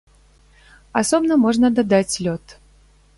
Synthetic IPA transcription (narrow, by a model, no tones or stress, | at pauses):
ɐsobnəmoʐnəd̪ad̪atʲlʲot̪